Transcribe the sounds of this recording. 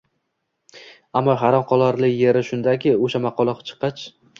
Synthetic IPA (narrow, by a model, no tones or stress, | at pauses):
amːɒɦaɾɒmqʰɒlˠaɾlɪkʲje̞ɾɪʃʊnd̪akʲʰɪoʃamaqʰɒlˠɒqɑ̥t͡ʃʰɨ̥qʰːɑt͡ʃ